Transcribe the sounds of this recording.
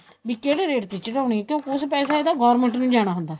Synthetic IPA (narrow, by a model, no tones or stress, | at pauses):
ʋiːkeːɽeːɾeːʈt̪it͡ʃɾaːʊɳiːɛːkjõːkɪʊspɛːsaːeːd̪aːɡɔːɾmə̃ɳʈnũːd͡ʒaːɽ̃aːɦʊnd̪aː